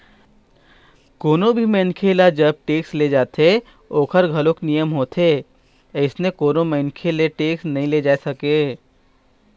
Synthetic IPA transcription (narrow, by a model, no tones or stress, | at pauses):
koːnõbʱimẽːnkʰeːlad͡ʒəb̚ʈeːksled͡ʒaːt̪e | oːkʰəɾɡʱɐlõknijəmɦoːt̪ʰeː | ɪsnẽkoːnõməɪnkʰeleʈeːksnɐɦĩled͡ʒaːesɐkeː